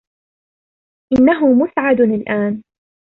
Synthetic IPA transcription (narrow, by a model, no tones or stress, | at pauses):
ʔɪnːaɦʊmʊsʕad̪nalʔaːn